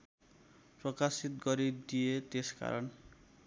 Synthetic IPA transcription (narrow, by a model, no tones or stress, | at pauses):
prɔkasit̪ɡɔɾid̪ijet̪eska̰ɾɔn